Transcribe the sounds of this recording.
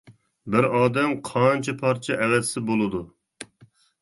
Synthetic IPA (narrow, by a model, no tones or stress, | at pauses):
bɪɾɑːd̪ɛmqʰɑnt͡ʃʰɛpʰɑɾt͡ʃʰɛʔɛwɛsɪbolˠɨd̪u